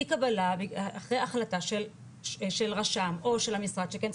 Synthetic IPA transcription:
kabalabeaχʁejaχlataʃel | ʃelʁaʃamo̞ʃelhamisʁad̪ʃekent͡s

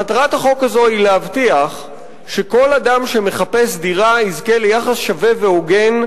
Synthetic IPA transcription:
mataʁathaχo̞kazo̞ilehavtiaχ | ʃe̞ko̞ladamʃe̞me̞χape̞s̬diʁaizke̞lejaχasʃave̞ve̞oɡe̞n

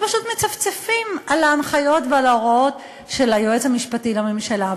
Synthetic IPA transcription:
paʃutmet͡saft͡sefimalaːnχajo̞tvealaoʁot | ʃe̞lajoet͡shamiʃpatilamimʃela

